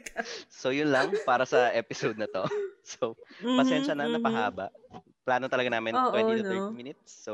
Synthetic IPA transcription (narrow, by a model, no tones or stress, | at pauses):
so̞jʊnlɐŋpaːɾɐsɐʔɛːpɪsod̪̚nɐt̪o̞sopɐsɛnʃɐnɐnɐpɐɦaːbɐ̰ʔ | plaːnot̪ɐlɐɡanaːmɪnoːwɛd̪ɐɛmɪnɪt̪̚sːo